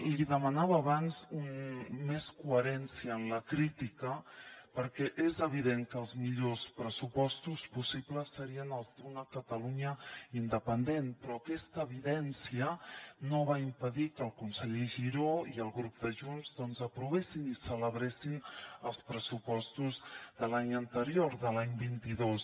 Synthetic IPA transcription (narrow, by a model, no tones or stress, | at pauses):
liðəmənaβəːβanzunmeskuəɾɛnsiəːnləkɾit̪ikəpəɾkɛʔezəβ̞iðeŋkəlˠzmiʎospɾəsupɔst̪uspusipləsəɾiənəlˠzd̪unəkət̪əluɲəind̪əpənd̪enpɾɔəkɛst̪əːβ̞iðɛnsiənoβ̞aimpəðikəlˠkunsəʎeʒiɾoiəlˠɣɾup̚d̪əʒunzðɔnzəpɾuβ̞esinisələβ̞ɾesinəlˠspɾəsupɔst̪uzðəlaɲənt̪əɾioɾðəlaɲbint̪iðos